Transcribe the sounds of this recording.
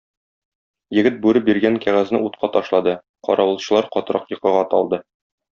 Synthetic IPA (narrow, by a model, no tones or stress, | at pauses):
jɘ̆ɡɘt̪̚bʉɾɘbiɾɡæŋkæʁæznɘ̰ut̪̚qɑt̪ɒʃlˠɑd̪ɤ | qɒ̰ɾɑwɤ̆lˠɕɤ̆lˠɑɾqɒt̪ɾɑqjɤ̆qɤ̆ʁɑt̪ɒ̰lˠd̪ɤ